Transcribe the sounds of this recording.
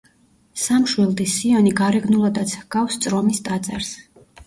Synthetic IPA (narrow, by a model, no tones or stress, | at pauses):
samʃwilˠd̪isːiɔniɡaɾɛɡnulˠɔd̪at̪sʰɡ̥afst̪sʼɾɔmist̪ʼat̪sʼɛɾs